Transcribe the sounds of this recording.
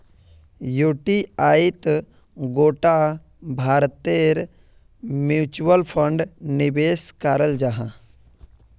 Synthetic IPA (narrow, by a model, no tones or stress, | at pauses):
joːʈiaːit̪ | ɡoːʈa | bʱaːɾt̪eɾ | mjuːt͡ʃuwəlpʰəɳɖnɪbeːskaːɾəld͡ʒaɦã̰